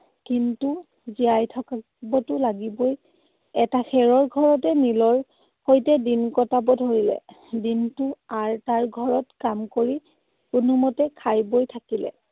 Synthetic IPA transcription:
kintu | ziajtʰɔka | bɔtʊlaɡiboj | ɛtaxɛɹɔɹɡʱɔɹɔtɛnilɔɹ | hojtɛdinkɔtabɔdʱoɹilɛ̰ | dintʊaɹtaɹɡʱɔɹɔtkamkoɹi | punɔmɔtɛkʰajbojtʰakilɛ̰

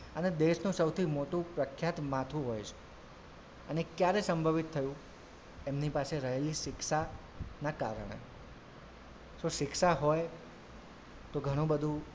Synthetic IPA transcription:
əned̪eʃnũsəwt̪ʰimoʈũpɾəkʰːjat̪mãt̪ʰũɦojt͡ʃʰe̥ | ənekjaɾesəmbʱəʋit̪ʰːəjũ | emnipaseɾəɦeliʃɪkʃa | naka̰ɾəɳ̃ḛ | soʃɪkʃaɦɔj | t̪oɡʱəɽ̃ũbəd̪ʱũ

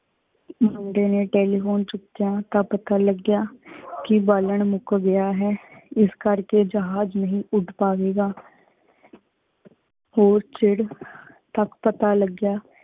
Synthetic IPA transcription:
mʊɳɖeːneːʈeːliːfoːnt͡ʃʊkːijaːt̪ãːpət̪aːləɡjaːkɪbaːləɳmʊkɡɪjaːɦɛːɪskəɾkeːd͡ʒəɦaːd͡ʒnəɦĩːʔʊɖpaːʋeːɡaː | hoːɾt͡ʃɪɽ | t̪əkpət̪aːləɡjaː

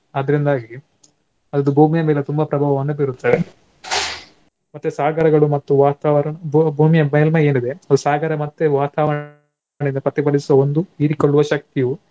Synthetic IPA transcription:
ɐd̪ɐɾind̪aːɡi | ɐd̪ɐd̪ubʱuːmijɐmeːlet̪umbɐpɾɐbʱaːʋɐʋɐnːubiɾut̪ːɐʋe | mɐt̪ːusaːɡɐɾɐɡɐɭumɐt̪ːuʋaːt̪aːʋɐɾɐɳɐbbʱuːmijɐmeːlmɐeːnid̪e̞ɐd̪usaːɡɐɾɐmɐt̪ːeʋaːt̪aːʋɐ | ɳinɐpɐt̪ːibɐɽisuʋɐond̪uiɾikoɭːuʋɐʃɐk̚t̪iju

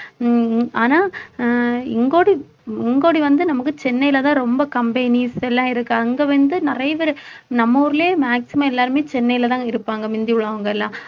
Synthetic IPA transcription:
aːnaː | ɪŋɡoːɽi | ɪŋɡoːɽiʋɐnd̪ɯnɐmɐkːɯt͡ʃɛnːɐjɪlɐt̪ãːɾɔmbɐkɐmbeːniːsɛlːãːɪɾɯkːɯɐŋɡeːʋɐnd̪ɯnɪɾɐjɐʋɐɾɯnɐmːoːɾɐleːmaːksɪmɐmɛlːaːɾɯmeːt͡ʃɛnːɐɪjɪlɐt̪ãːɪɾɯpːaːŋɡɐmɪnd̪ɪʋɯɭːaːʋɐŋɡɐɛlːãː

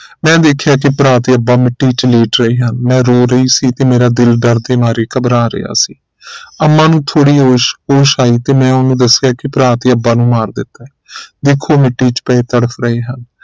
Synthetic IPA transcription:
mɛ̃ːd̪eːkʰjaːk̬ɪpɾaːt̪iːəbaːmɪʈːiːt͡ʃleːʈɾəiːɦənmɛ̃ːɾoːɾəiːsiːt̪eːmeːɾaːd̪ɪlɖəɾd̪eːmaːɾeːkəbɾãːɾɪ̰ja̰ːsiː | əmːãːnũːt̪ʰoːɽiːɦoːʃɦoːʃaːiːt̪eːmɛ̃ːʊnːũːd̪əsɪjaːkɪpɾaːt̪ːəbːãːnũːmaːɾd̪ɪt̪ːaːɛːd̪ekʰːoːmɪʈːiːt͡ʃpɛːeːt̪əɽəpʰɾəɦeːɦən

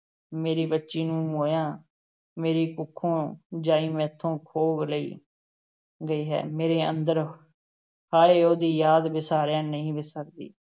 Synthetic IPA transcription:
meːɾiːbətːʃiːnũːmoːjãː | meːɾiːkʊkʰːõːd͡ʒãːĩːmɛ̃ːt̪ʰːõːkʰoːɡləḭː | ɡəiːɦɛ̰ːmeːɾeːə̰nd̪əɾ | haːeːoːd̪iːjaːd̪bɪsaːɾjãːnəɦĩːbɪsəkd̪ḭː

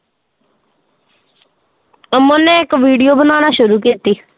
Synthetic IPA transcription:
mʊnɛ̃ːɪkʋiːɖijoːbənaːnaːʃʊɾuːkiːt̪iː

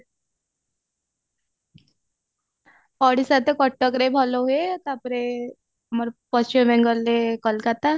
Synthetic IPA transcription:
pəɽisat̪ekəʈːəkɾebʱaloɦet̪apɾe | aməɾpəst͡ɕimʋeŋɡəlːekəlkat̪a

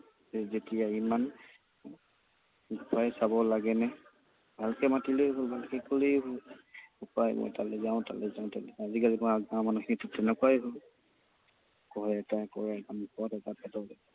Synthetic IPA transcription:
ɛzetijaiman | kʰajɛsabɔlaɡɛnɛ | bʱalkɛmatileɦolbʱalkɛkoleɦolukajmɔ̰jtalɛzaʊ̃ta̰lɛzaʊ̃talɛazikazimɔaɡamanɔkʰinitutɛnɛkajɦʊl | kɔɹɛɛtakɔɹaɛkanupɔtɛtapɛtɔlɛ

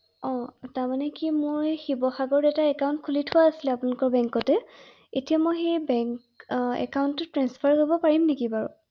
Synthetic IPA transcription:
ɔ̃taɹmanɛkimoɹxibɔxaɡɔɹdɛtaɛkawʊ̃ntkʰulitʰʊwaːsilɛapunakɔɹbɛŋkɔtɛ | etijamɔjxejbɛŋk | ɛ̰kawntːʊtɹanspʰaɹɦobɔpaɹimnekibaɹṵ

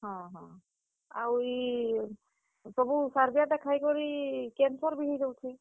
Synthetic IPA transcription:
hɔ̃ɦɔ̃ | awi | sɔbusaɹbijadɛkʰajkɔɹikɛnsɔɹbiɦizɔwtʰi

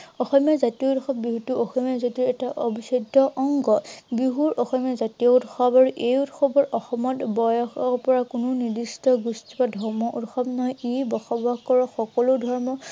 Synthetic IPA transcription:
ɔxɔmjazatijɔtxɔb̚ːiɦutuɔxɔmijazotiɹɛtaʔobisɔdɔʔɔŋɡɔbiɦuɹʔɔxɔmijazatijɔutxɔbaɹuʔejutxɔbɔɹɔxɔmɔtbɔjɔxɔpɔɹakʊnʊnidistɔɡustipadʱɔɹmɔʔutxɔbnɔjibɔxɔbakɔɹɔxɔkɔlodʱɔɹmɔ

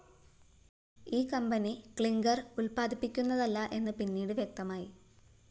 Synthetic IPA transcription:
iːkɐmbɐnikɭiŋɡɐrulpaːd̪ʱipːikʲːunːɐðɐlːɐʔe̞nːɨpinːiːɽɨʋjek̚t̪ɐmaːji

